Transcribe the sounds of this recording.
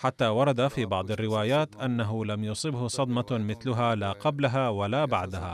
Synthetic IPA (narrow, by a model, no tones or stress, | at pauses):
ħat̪ːaːwɑɾˤɑd̪afiːbɑʕd̪ˤɑrːɪwaːjaːt̪ʔanːaɦʊlamjʊsˤɨbhʊsˤɑd̪mɑmɪθlʊɦaːlaːqɑblaɦawalaːbaʕd̪aha̰ː